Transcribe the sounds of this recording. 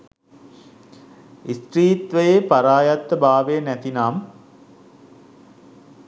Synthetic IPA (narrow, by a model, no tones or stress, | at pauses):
ist̪ɾiːt̪ʋəjepaɾaːjat̪ːəbaːʋejənæt̪inaːm